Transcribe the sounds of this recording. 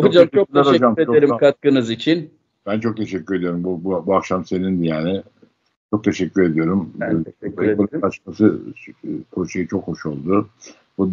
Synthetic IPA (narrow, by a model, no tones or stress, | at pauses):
afɯd͡ʒat͡ʃʰozaod͡ʒamɾet͡ʃoeɾimkʰat̪̚kɯnɯzit͡ʃʰin | b̥ænt͡ʃʰo̞k̚t̪ʰe̞ʃɛcʲːyɾe̞d̪ijo̞ɾumbububuakʃamse̞nind̪ɛjaːnɪ | t͡ʃʰo̞k̚t̪ʰe̞ʃɛcʰʲːyɾe̞d̪ijo̞ɾum | olat͡ʃmasɯ | kʰoʃejit͡ʃʰo̞kho̞ʃo̞lˠd̪ʊ | bud̪